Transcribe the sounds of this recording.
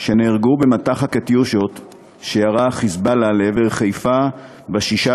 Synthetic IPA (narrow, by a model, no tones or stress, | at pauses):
ʃeneʁɡubemat̪aχaket̪juʃot̪ | ʃejaʁaχizbalaleeveʁχejfa | baʃiʃa